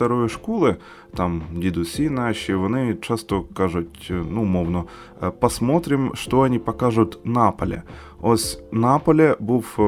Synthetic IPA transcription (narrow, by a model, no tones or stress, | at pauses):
t̪ɐɾojʂkolˠɨ | t̪amdʲid̪ʊsʲinaɕɪvʊnɨt͡ɕast̪əkaʐʊtʲnumovnə | pɐsmot̪ɾʲɪmʂt̪oɐnʲipɐkaʐʊt̪napəlʲɪ̰ | osʲnapəlʲɪbuf